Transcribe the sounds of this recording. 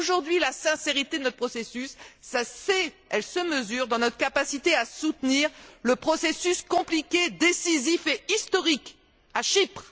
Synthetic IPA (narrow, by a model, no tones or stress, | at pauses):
oʒuʁd̪ɥilasɛ̃seʁit̪ed̪ənɔt̪̚pχɔsesysːasɛ | ɛlsəməzyʁd̪ɑ̃nɔt̪χəkapasit̪easut̪niʁləpχɔsesyskɔ̃plikʲed̪esizifeist̪ɔʁik | aʃipχ